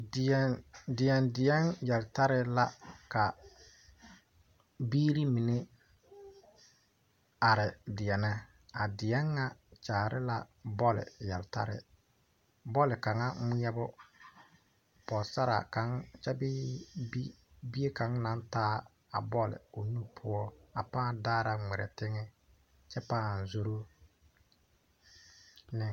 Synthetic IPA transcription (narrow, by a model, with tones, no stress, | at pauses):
dɪ˨ɛ˦ndɪ˨jɛ˨ndɪ˨ɛ˦ŋjɛ˨lta˦ɾɪ˦la˦ka˨ | biː˦ɾi˦mi˨ne˦ | a˨ɾɪ˨dɪ˨jɛ˨nɪ˨ | a˨dɪ˨jɛ˦ŋːa˦t͡ʃaː˨ɾɪ˦la˦˨bɔ˦lɪ̰˨jɛ˨lta̰˦ɾɪ̰˨ | bɔ˦lɪ˨ka˨ŋa˦ŋɪ˦ɛ˦bʊ˦ | pɔ˨sa˦ɾa̰˨ka˨˦ŋt͡ʃɛ˦bi˦ | bi˦e˦ka˨˦ŋna˨˦ntaː˦ | a̰˨bɔ˦lɪ̰˨o˨nu˦pʰʊ˦ɔ˦a˨pãː˦˨daː˦ɾa˦ŋɛ˨ɾɛ̰˨tɪ˦ŋɪ˦ | t͡ʃɛ˦pa˦˨n˨zo˦ɾo˦ | nɪ˦